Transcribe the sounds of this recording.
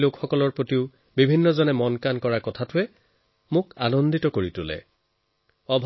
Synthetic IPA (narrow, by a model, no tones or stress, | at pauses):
lokxɔkɔlɔɹpɹotiʊ | bibʱinːɔzɔnɛmɔnkankɔɹakɔtʰatʊɛ | mʊkanɔnditɔkoɹitʊlɛ̰ | ɔbʱ